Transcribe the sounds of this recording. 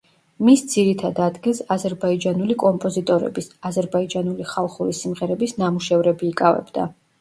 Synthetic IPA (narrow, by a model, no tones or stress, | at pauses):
misd̪ziɾit̪ʰad̪ad̪ɡilˠsazɛɾbaid͡ʒanulikʼɔmpʼɔzit̪ʼɔɾɛ̰bisazɛɾbaid͡ʒanuliχalˠχuɾisimʁɛɾɛbisnamuʃɛvɾɛbiːkʼavɛ̰bd̪a̰